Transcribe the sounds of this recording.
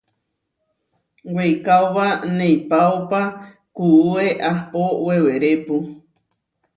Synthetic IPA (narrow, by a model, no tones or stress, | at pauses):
wejkawβanẽjpaopa | kuueʔapoweweɾepu